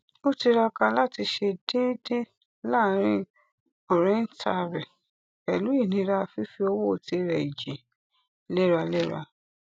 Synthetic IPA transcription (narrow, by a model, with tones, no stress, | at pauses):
o˦ti˧ɾa˧ka˧la˦ti˧ʃe˧de˦de˦ | la˦˨˦ɾ̃ĩ˦ | o˨ɾẽ˨˦n̩˦tʰa˧ɾɛ˨ | ɛ˨lu˨˦i˦˨nĩ˨˧˦ɾa˧˦˧fi˦fi˧o˧wo˦˨ti˧˦ɾɛ˨i˨d͡ʒi˨ | lɛ˦ɾa˧lɛ˦ɾa̰˧